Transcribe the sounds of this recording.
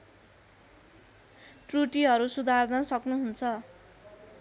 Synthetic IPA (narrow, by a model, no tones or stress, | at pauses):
ʈruʈiɦʌɾusud̪ʱard̪ʌsʌknuɦunt͡sʰʌ